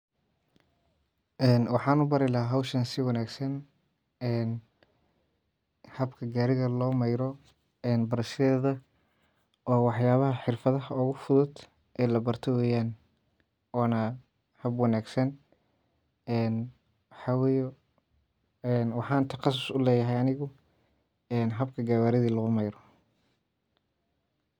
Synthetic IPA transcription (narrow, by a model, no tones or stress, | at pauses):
ʔɛːnwɑħɑːnʊbɐɾɪlɐɦaːɦɐwʃɐnsɪwɑnaːɡsɐn | ɛːn | hɐbkʰɐɡaːɾɪɣɐlɔːmɐjɾɔ | ɛːnbɐɾɐʃɛːðɐ | ʔɔːwɑħjaːβɐɦɐħɪrfɐðɐɦɐʊɣʊfʊðʊd̪ | ʔɛːlɐbɐrt̪ʰɛwɛːjaːn | ɔːnɐ | hɐbwɑnaːɡsɐn | ɛːn | wɑħɑːwɛːjɛ | ɛnwɑħɑːnt̪ʰɐqɑs̬ʊsʊlɛːjɐɦɛjɐnɪɣʊ | ɛːnɦɐbkʰɐɡaːwaːɾɪðiːlɐɣʊmɐjɾɔ